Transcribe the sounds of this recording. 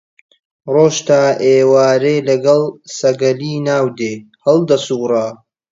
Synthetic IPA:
roːʃt̪aːʔeːwaːɾeːlɐɡɐlsɐɡɐliːnaːwd̪eː | hɐlˠd̪ɐsuːrɑ

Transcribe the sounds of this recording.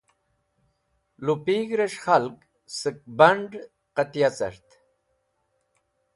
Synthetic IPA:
lupiːɡɾeʂχalk | sɨk̚bɐɳɖ | qat̪ijat͡sɐ̰ɾt̪

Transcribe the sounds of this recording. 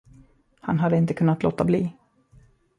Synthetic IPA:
hanɦad̪ːəɪnt̪əkʰɵnːat̪loːt̪abliː

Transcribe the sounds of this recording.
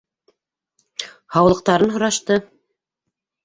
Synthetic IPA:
hɑwlˠɤ̆q̚t̪ɑɾɤnɦŏɾɑʃt̪ɤ

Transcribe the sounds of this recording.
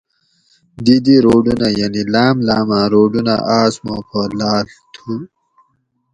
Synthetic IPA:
d̪id̪iɾoːɖunajanilɑːmlaːmãɾoːɖuna̰ʔaːsmo̰pʰɐlaːl | t̪ʰu

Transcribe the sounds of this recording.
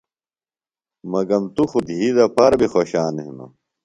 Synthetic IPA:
mɐɡɐmt̪uxud̪ɦiːd̪ɐpaɾbixoɕaːneɦuno̰

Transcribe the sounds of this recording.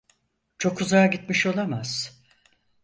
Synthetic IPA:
t͡ʃʰo̞kʰuzajaɟit̪miʃo̞lˠamaz̥

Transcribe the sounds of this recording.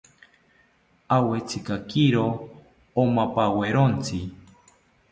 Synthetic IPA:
awet͡sikakiɾo | omapaweɾont͡si

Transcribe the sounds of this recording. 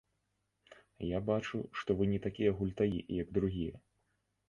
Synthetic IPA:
jabat͡ʂuʂt̪ɔvɨnʲɛt̪akʲijɐɣulʲt̪ajijɐɡd̪ɾuɣʲijɐ

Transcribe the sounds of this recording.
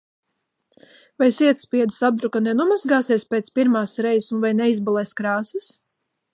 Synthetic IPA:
vajsiɛt̪spiɛd̪isab̚d̪ɾukanɛnumazɡaːsiɛspeːt̪spiɾmaːsɾɛjsunvajnɛizbalˠɛːskɾaːsis

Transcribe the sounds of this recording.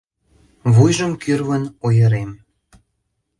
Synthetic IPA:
βujʒəmkyrβənojəɾem

